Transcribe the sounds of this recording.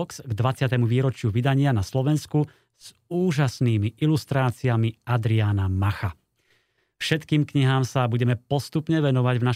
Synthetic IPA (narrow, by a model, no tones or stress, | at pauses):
ksɡd̪ʋat͡sɪat̪ɛmuʋiːɾɔt͡ʃɪuʋid̪aɲɪanaslɔʋɛnsku | z̥ | uːʒasniːmiʔilust̪ɾaːt͡siamiad̪ɾianamaxa | fʃɛt̪kiːmkɲiɦaːmsabuɟɛmɛpɔst̪upɲɛʋɛnɔʋaɟvna